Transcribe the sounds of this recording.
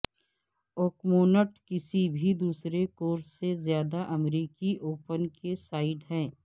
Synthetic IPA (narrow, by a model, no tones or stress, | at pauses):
oːkmoːnəʈkɪsibʱid̪uːsɾekoːɾsːezjaːd̪aʔɐmɾiːkiʔoːpənkesaːɪɖɦɛ̃ː